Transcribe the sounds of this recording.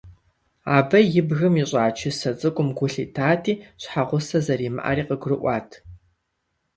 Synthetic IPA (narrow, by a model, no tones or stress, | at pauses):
aːbɐjɪbɣɨmiɕʷʼaːt͡ʃʰɪsɐt͡sʼɨkʷʼʊmɡʷʊɬḭtʰaːtʰiːɕʷħaʁʷʊsɐzɐriːmɨ̰ʔa̰ɾiːqəɡʷrɨʔʷɑːtʰ